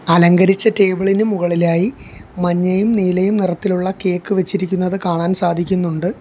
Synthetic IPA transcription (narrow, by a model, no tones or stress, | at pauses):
ɐlɐŋɡɐɾit͡ɕːɐteːbiɭinumuɣɐɭilaːjimɐɲːɐjumniːlɐjumnirɐt̪ːiluɭːɐke̞ːkːɨʋet͡ɕːiɾikʲːunːɐðɨkaːɳaːnsaːd̪ʱikʲːunːuɳɖɨ